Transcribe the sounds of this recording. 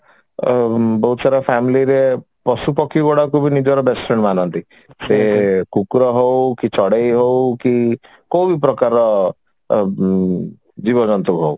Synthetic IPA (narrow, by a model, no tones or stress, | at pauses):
bɔɦut̪saɾapʰamiliɾe | pɔsupɔkʰiɡɔɽakubinid͡ʒɔɾɔbesʈɔnmanɔnt̪i | sekukɾɔɦowkit͡ʃɔɽejɦowki | kowbipɾɔkaɾɔ | d͡ʒibɔd͡ʒɔnt̪ukɦow